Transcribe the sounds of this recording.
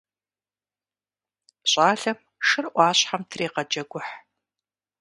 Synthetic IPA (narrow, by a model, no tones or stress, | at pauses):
ɕʼaːɬɐm | ʃɨrʔʷɑːɕħamtʰreːqɐd͡ʒɐɡʷʊħ